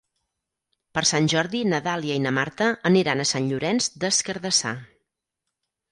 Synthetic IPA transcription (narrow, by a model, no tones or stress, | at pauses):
pəɾsanʲʒɔɾðinəðalˠiəinəmaɾt̪əːniɾanəsanʎuɾɛnzd̪əskəɾðəsa̰